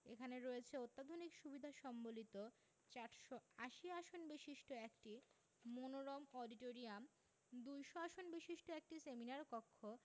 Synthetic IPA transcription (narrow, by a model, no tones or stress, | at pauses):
ekʰaneɾoet͡ɕʰeot̪ːad̪ʱonikʃubid̪ʱaʃɔmbolit̪o | t͡ɕaɾʃoaʃiaʃonbeʃiʃʈoekʈi | monoɾomɔɖiʈoɾiam | d̪ujʃoaʃonbeʃiʃʈoek̚ʈiseminaɾkɔkʰːo